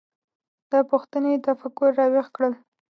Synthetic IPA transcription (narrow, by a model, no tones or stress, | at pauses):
d̪̥əpʊxt̪ənet̪afakʊɾːɑwexkɽəl